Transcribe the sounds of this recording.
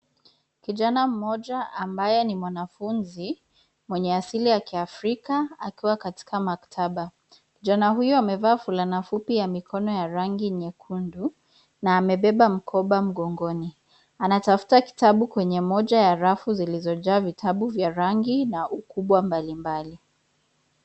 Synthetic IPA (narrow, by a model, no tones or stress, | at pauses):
kiʄanam̩mɔʄaambajɛnimwanafunzi | mwɛɲɛasilijakiafɾikaakiwakati̥kamaktʰaɓa | kiʄanaɦujɔamɛvaːfulanafupijamikʰɔnɔjaɾaŋɡiɲɛkʰundu | naːmɛɓɛɓam̩kʰɔɓam̩ɠɔŋɡɔni | anatafu̥taki̥taɓukwɛɲɛmɔʄajaɾafuzilizɔʄaːvitʰaɓuvjaɾaŋɡinaʔukuɓwambalimbali